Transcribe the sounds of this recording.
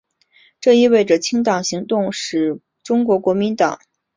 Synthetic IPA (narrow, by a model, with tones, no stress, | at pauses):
ʈ͡ʂɤ˥˧i˥˧we˥˩ɪʈ͡ʂə˩t͡ɕʰi˥ŋt̪ɑ˨˩ŋɕi˧˥ŋt̪ʊ˥˧ŋʂɻ̩˨˩ | ʈ͡ʂʊ˥ŋkwɔ˧˥kwɔ˧˥mi˧˥nt̪ɑ̰˨˩˦ŋ